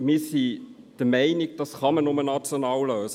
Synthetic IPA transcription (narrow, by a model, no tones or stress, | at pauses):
mɪːsi | d̥əmæɪnɪɡ̚d̥ɑsχɑmənʊmənɑt͡sjonɑːlløːs